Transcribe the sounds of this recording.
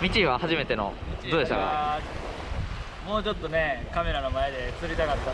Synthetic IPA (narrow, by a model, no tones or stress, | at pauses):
mʲit͡ɕiβahaʑime̞t̪e̞no̞̰d̪oːd̪eɕt̪akːa̰ | mo̞ːt͡ɕo̞t̪ːo̞ne̞kame̞ɾano̞mae̞d̪e̞t͡sɨɾʲit̪akat̪ːa